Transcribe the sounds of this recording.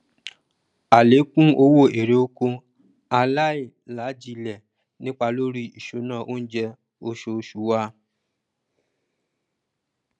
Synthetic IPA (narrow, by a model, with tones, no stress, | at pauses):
a˨le˨˦kũ˦o˧wo˦˨e˨ɾe˨o˧ko˧ | a˧la˦i˦˨ | la˨˦d͡ʒi˧lɛ˨ | nĩ˦k͡pa˧lo˦ɾi˦i˨ʃo˨˦nãː˦˨ʔo˦n̩˦d͡ʒɛ˧ | o˧ʃo˧ʃu˨˦wa˦